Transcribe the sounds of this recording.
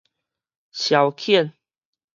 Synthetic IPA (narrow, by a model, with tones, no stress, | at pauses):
ɕja˨˩ʊwkʰɛ˥˨n